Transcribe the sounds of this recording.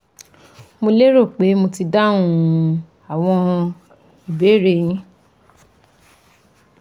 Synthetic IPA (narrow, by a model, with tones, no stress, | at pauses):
mo˧le˦ɾo˦˨k͡pe˨˦mo˧ti˧da˦ũ˦ | a˨w̃ɔ̃˧ | i˨be˨˦ɾe˧˨jĩ˦